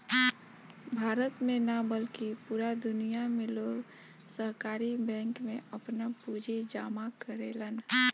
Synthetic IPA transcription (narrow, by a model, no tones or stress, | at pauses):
bʱaːɾət̪mẽnəbəlkipuːɾad̪ʊnijamẽloɡ | səɦkaːɾibɛ̃ːŋkmẽəpnapuːd͡ʒʱid͡ʒaːmakəɾeːlən